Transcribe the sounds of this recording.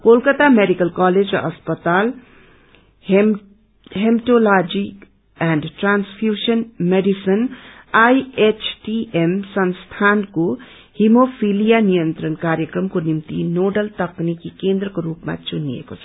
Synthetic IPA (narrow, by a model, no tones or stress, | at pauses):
koːlkət̪ameɖikəlkaːled͡ʒa̰ʔɐspət̪aːl | ɦemʈolaːd͡ʒik | ɛ̃ːɳɖʈɾaːnsfʰjuːʃənmeɖisənaiet͡ʃʰʈiʔemsɐnst̪ʰaːnko | himopʰilijanijənt̪ɾənkaːɾjəkɾəmkonimt̪ḭnoːɖəlt̪ɐknikːikẽːnd̪ɾəkoɾuːpmã̰t͡ʃunḭḛkos